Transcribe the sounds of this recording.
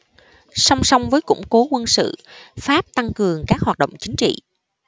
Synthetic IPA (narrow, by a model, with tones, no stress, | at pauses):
sa˧wŋ͡msɔ˧wŋ͡mvəː˨˦jkʊ̰˧˥ŋ͡mko˨˦kwə˧nsɨ̰˧˨faː˦˥p̚t̪a˧ŋkɨ˨˩əŋkaː˦˥k̚hwaː˨˩t̚ɗə̰˧˨wŋ͡mt͡ɕï˨˦ŋ̟t͡ɕḭ˧˨